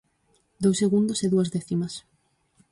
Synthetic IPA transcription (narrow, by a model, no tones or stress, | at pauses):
d̪owseɣund̪ʊseðuɐzðɛθimɐs